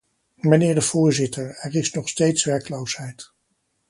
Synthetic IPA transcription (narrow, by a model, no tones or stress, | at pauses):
mənɪːɹdəv̥ʊːɹzɪtəɹɛɹɪsnɔχstejtsʋɛɹkəlowsɦɛjt